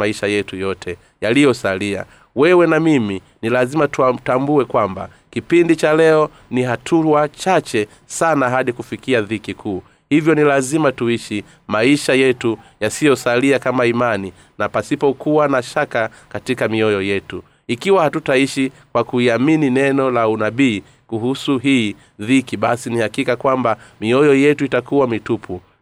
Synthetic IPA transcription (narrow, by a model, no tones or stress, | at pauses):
aiʃajɛtujɔtʰɛ | jalijɔsalia̰ | wɛwɛnamimi | nilazimatuatambuɛkwamba̰ | kipindit͡ʃalɛɔ | niɦatʰuwat͡ʃat͡ʃɛ | sanaɦaɗikufikiaðikikʰuː | hivjɔnilazimatuiʃi | maiʃajɛtujasijɔsaliakamaimani | napasipɔkuwanaʃaka | katikamiɔjɔjɛtu | ikiwahatutaiʃi | kwakuiamininɛnɔlaunaɓiː | kuhusuɦiː | ðikiɓasinihakikakwambamiɔjɔjɛtuitakuwamitupʰu